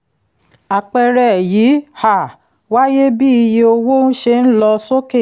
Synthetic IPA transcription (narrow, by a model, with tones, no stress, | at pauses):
a˨k͡pɛ˧ɾɛ˨ji˨˦ha˦˨ | wa˦je˦bi˦i˧je˧o˧wo˦n̩˦ʃe˧n̩˦lɔ˧so˦ke˦˨